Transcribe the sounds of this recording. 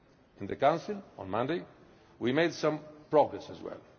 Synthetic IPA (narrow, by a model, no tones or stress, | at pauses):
ɪ̃nðɨkãnsilɔ̰̃nmʌ̃ndeɪ | wimeɪdsʌ̃mpɹɔɡɹɛsəzwɛ̰lˠ